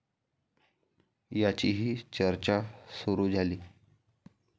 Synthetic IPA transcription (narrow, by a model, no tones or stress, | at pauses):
jat͡ɕiɦiːt͡ɕəɾt͡ɕasuɾuːd͡zʱaliː